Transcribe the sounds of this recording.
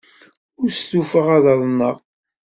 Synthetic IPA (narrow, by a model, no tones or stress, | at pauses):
ʊɾstufəʁæðɑðˤnːəʁ